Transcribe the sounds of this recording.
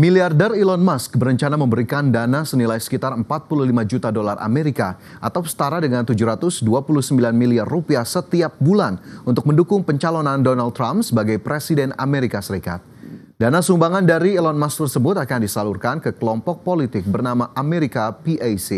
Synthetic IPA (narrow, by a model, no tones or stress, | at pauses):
miliardɛrilɔnmask̚bəɾəɲt͡ʃanaməmbəɾikandanasənilajsə̥kit̪arəmpat̪̚puluhlimad͡ʒut̪adola̰rʔa̰meɾika | ʔat̪awsə̥t̪aɾadəŋant̪ud͡ʒuɾat̪ʊsduapuluhsəmbilanmiliarːupiahsət̪iap̚bulanunt̪ʊk̚məndukʊŋpəɲt͡ʃalonandɔnalt̪ːɾamsəbaɡajpɾesidɛna̰meɾikasəɾika̰t̪̚ | danasumbaŋandaɾiːlɔnmask̚t̪ərsəbʊt̪akandisalurkankəkəlɔmpɔk̚polit̪ɪk̚bərnamaʔameɾikapiʔajsi